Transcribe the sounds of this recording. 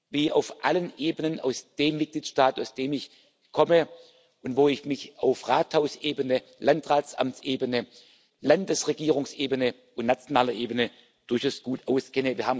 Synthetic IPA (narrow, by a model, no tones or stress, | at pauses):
viːʔa̰ʊfʔalənʔeːbənəna̰ʊsd̥eːmːɪt̚ɡ̥liːtʃtaːta̰ʊsd̥eːmɪç | kʰɔmə | ʔʊntvoːɪçmɪçaʊfʁaːthaʊsʔeːbənə | lantʁaːtsʔa̰mt͡sʔeːbənə | landəsʁeɡiːʁ̞ʊŋsʔeːbənə | ʊntnat͡sjonaːlɐʔeːbənə | d̥ʊɐçaʊsɡ̥uːtaʊskɛnəviːɐhaːbm